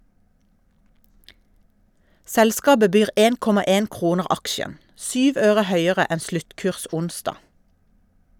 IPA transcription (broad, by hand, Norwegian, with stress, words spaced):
ˈsɛlˌskɑːbə ˈbyːʁ ˈeːn ˈkɔmɑ ˈeːn ˈkʁuːnəʁ ˈɑkʃən ˈsyːʋ ˈøːʁə ˈhœʏəʁə ˈɛn ˈslʉtˌkʉːʁs ˈʊnˌsdɑ